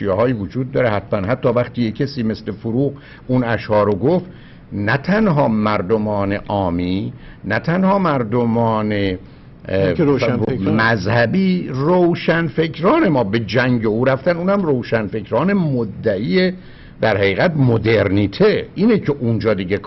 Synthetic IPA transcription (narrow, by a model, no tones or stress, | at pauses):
ijehɒːjiːvod͡ʒuːd̪̚ːɒːɾehæt̪mænhæt̪ʰːɒːvæχt̪iːjecʰæsiːme̞sle̞foɾuːɣ | unæʃhɒːɾoɡoft̪ | næt̪ʰænɦɒːmæɾd̪omɒːne̞ʔɒːmiː | næt̪ʰænhɒːmæɾd̪omɒːne | mæzhæbiːrowʃænfe̞kʰɾɒːne̞mɒːbe̞d͡ʒæŋɟeuːɾæft̪ænuːnhæmrowʃænfe̞cʰɾɒːne̞mod̪ːæʔiːe | d̪æɾhæɣiːɣæt̪mod̪eɾniːt̪ʰeʔiːnecʰe̞ʔund͡ʒɒːd̪iːɟek